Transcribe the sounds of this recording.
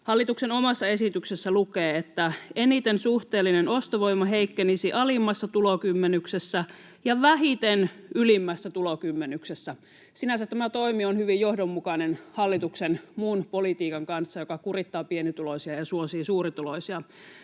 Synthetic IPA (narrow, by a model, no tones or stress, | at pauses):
hɑlːit̪uksenomɑsːɑe̞sit̪yksesːælukeːet̪ːæenit̪ensuht̪eːlːinenost̪oʋoimːɑɦeikːenisiʔɑlimːɑsːɑt̪ulokymːenyksesːæ | jɑʋæɦit̪enylimːæsːæt̪ulokymːenyksesːæ | sinæsæt̪t̪ːæmæt̪oimionhyʋijjohdomːukɑnenhɑlːit̪uksenmunpolit̪iːkɑŋkɑnsːɑjokɑkurit̪ːɑːpienit̪ulosiɑjɑsuosiːsuːrit̪uloisiɑ